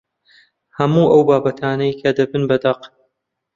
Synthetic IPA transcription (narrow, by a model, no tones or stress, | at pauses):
hɐmuːʔɐwbaːbɐt̪ʰaːnɐjkʰɐd̪ɐbɨnbɐd̪ɐq